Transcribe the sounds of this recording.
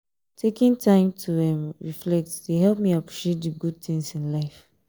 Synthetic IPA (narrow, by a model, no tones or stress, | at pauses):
tʰekĩntʰãɪ̃mtʰuɛ̃mɹiflɛk̚tdeɦɛlˠp̚miapʰɹ̥iʃet̚dɨɡud̚θĩŋsĩnlaɪf